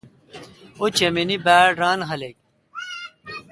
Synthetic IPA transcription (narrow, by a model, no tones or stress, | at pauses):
ot͡ɕɐminibæːɖɾaːnɦɐlek̚